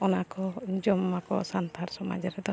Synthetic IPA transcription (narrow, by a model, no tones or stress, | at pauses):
ɔnakɔd͡ʒɔmːakɔ̰sant̪ʰaɾsɔma̰d͡ʒɔɾɛd̪ɔ